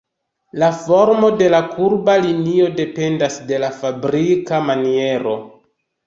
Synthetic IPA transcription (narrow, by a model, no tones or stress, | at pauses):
lafo̞ɾmo̞de̞lakuɾbalinio̞de̞pe̞ndasde̞lafabɾikamanie̞ɾo̞̰